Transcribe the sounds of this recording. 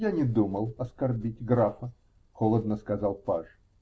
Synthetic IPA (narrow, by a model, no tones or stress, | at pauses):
janʲɪd̪uməlˠɐskɐrbʲitʲɡɾafə | xolˠəd̪nəskɐzɑlˠpaʂ